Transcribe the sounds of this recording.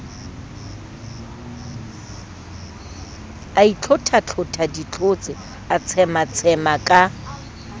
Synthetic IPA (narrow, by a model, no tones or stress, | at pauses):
ait͡ɬʰʊtʰat͡ɬʰʊtʰadit͡ɬʰot͡sʼɪ | at͡sʰɛmat͡sʰɛmakʼa